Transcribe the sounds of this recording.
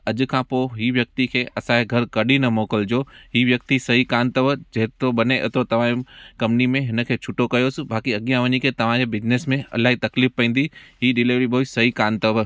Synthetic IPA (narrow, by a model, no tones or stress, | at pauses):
ɐʄ̆kʰãːpoːɦiːʋjɐk̚t̪ikʰeːɐsãɦeɡʱɐɾkɐɗinɐmoːkəld͡ʑoːɦiːʋjɐk̚t̪isɐɦikaːnt̪ɐʋd͡ʑɐɦɪt̪oɓɐneʔɐ̰t̪ot̪ɐʋ̤ãkɐ̃mnimẽɦɪn̆kʰeːt͡ʃʰʊʈokɐjoːsɪ̆baːkiɐɠijãʋɐɲikʰet̪ɐʋ̤ãd͡ʑebɪd͡ʑnesmẽɐ̰laːɦit̪ɐkliːfpɐ̃ːnd̪iɦiɗɪliʋɾiboisɐɦikaːnt̪ɐʋ